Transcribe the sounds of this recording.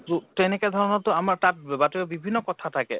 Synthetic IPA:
tutɛnɛkɛd̪ʱɔɹɔnɔtʊamaɹtat̚batuɛbibʱinːɔkɔtʰatʰakɛ̰

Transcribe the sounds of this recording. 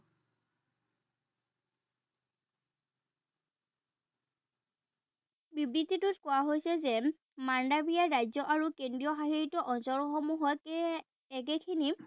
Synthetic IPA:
bibɹitːitʊtkʊwaɦojsɛzɛ | mandabijaɹajzɔʔaɹukendɹijɔxaɦiɹitɔʔɔnsɔɹxɔmuɦɔj | ɛɡ̬ɛkʰini

